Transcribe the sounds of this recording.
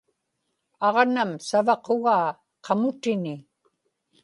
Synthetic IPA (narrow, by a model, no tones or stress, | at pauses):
ɑʁnamsavɑqoɣaː | qʰɑmʊt̪ɪnɪ